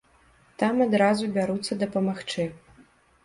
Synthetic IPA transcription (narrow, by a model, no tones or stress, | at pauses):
t̪amad̪ɾazubʲaɾut̪sːɐd̪ɐpɐmaxt͡ʂɨ